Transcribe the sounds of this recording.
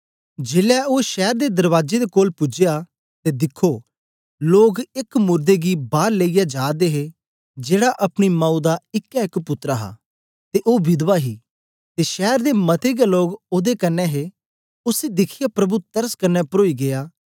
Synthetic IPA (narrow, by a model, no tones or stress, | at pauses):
d͡ʒeːlɛoːʃɛːɾd̪eːd̪ɐɾʋaːd͡ʒed̪eːkoːlpʊd͡ʒeja | t̪eːd̪ɪkʰːoː | loːɡɪkmʊɾd̪eɡibaːɾleijad͡ʒaːd̪eɦe | d͡ʒeːɽaʔɐpɽ̃imãːud̪aɪkːɛ̃ɪkpʊt̪ːɾaɦa̰ː | t̪eʔoːbɪd̪ʋaɦiː | t̪eʃɛːɾd̪emɐt̪ʰeɡeloːɡoːd̪ekɐnːɛɦe | ʊsid̪ɪkʰɪjapɾɐbut̪əɾəskɐnːɛpəɾoːiɡɪjaː